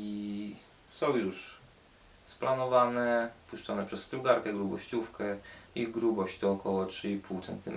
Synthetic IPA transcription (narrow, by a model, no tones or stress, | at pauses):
i | sɔ̃w̃juʂ | splanɔvanɛpuʂt͡ʂɔnɛpʂɛsːt̪ɾuwɡaɾkɛɡɾubɔ̰ɕt͡ɕufkɛiɡɾubɔɕt͡ɕt̪ɔːkɔwɔtʂɘipʰuwt̪sɛ̰nt̪ɘ̰mɛ